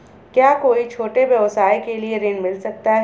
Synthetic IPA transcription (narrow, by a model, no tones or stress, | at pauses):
kjaːkoːit͡ʃʰoːʈebjɐʋsaːikelieɾeːnmɪlsɐk̚t̪aɦɛ